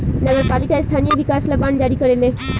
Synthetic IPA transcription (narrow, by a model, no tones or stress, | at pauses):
nəɡəɾpalikaest̪ʰanijəbikasləband͡ʑaɾikəɾele